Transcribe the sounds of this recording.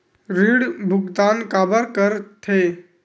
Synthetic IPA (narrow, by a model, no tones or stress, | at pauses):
ɾiɽbʱʊɡd̪aːnkabəɾkəɾt̪ʰe